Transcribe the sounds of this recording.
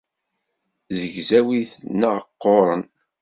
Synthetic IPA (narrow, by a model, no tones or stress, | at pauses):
ðəʝzæwiθnəʁəqːoɾˤə̰n